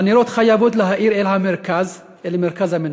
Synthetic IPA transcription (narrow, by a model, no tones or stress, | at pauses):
aniɾot̪χajavod̪leɦaʔiɾelhameɾkaz | elmeʁkazhamen